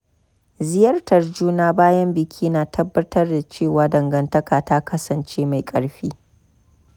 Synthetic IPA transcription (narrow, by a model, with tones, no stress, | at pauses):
zɪ˦jɐ˦rtɐ˨rd͡ʒuː˦naː˦baː˦jɐ˦mbɪ˨kʲʰiː˦naː˨tʰɐ˦bːɐ˦tɐ˦rda˨t͡ʃeː˦˨waː˨dɐ˨ŋɡɐ˨ntɐ˦kaː˨ta˦kɐ˦sɐ˨nt͡ʃeː˦ma˨jkʼɐ˦ɽɸiː˦